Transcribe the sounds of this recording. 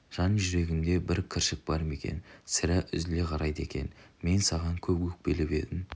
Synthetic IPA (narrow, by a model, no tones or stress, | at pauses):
ʒ̥ɑnʒʏɾe̞ɡʲɪmd̪e̞bɪɾkʲʰɪɾʃɪk̚bɑɾme̞kʲe̞̰nsɪɾɪʔʏ̰zle̞qʰɑɾʔɑjd̪əe̞̰kʲe̞̰nme̞nsɑʁɑŋkʲʰɵbɡʊk̚belɪbe̞̰d̪ɪm